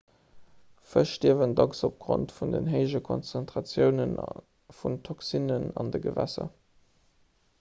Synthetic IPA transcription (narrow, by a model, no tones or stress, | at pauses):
fəʃtiəvəndɑksop̚ɡ̥ʁo̰ntfundənɦəɪʒəkʰo̰nt͡sæntʁɑt͡sjəʊnən | funtʰoksinənɑ̰ndəɡəvæ̰sɐ̰